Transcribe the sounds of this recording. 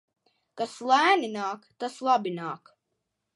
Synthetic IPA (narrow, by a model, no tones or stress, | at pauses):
kaslˠæːninaːkt̪aslˠabinaːk